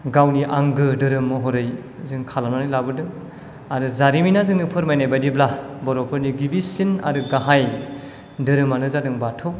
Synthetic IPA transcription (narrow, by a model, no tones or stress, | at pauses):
ɡawniʔaŋɡɯdɯɾɯmːɔɦɔɾɯj | zɯŋkʰalananilabɯdɯŋ | aɾɯzaɾiminazɯŋnɯpʰɯɾmajnajbadiblabɔɾɔpʰɯɾniɡibisina̰ɾɯɡaɦaj | dɯɾɯmanɯzadɯŋbatʰɯw